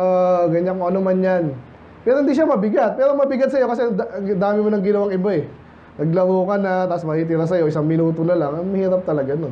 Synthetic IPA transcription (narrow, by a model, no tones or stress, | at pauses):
ʔaɡɐɲakoʔɐnomɐnjan | pɛːɾohɪnd̪iːʃamɐbɪɡat̪̚pɛːɾomɐbɪɡat̪̚sɐjo̞kɐsɛɐŋd̪aːmɪmonɐŋɡɪnɐwaŋɪbaɛ | nɐɡ̚lɐɾoːkɐnat̪asmɐhiːt̪ɪɾasɐjo̞ʔɪsaŋmɪnuːt̪o̞nɐlaŋɐmɐhiːɾɐp̚t̪ɐlɐɡano